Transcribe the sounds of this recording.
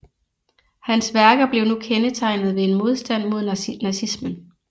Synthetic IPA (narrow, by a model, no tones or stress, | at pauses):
hænsʋæɐɡ̥ɐb̥le̝ʊnukʰenət͡sʰɑ̈ɪ̰nð̞ˠʋe̝enmo̝ð̞ˠsd̥æn̰mo̝ðˠnæsismən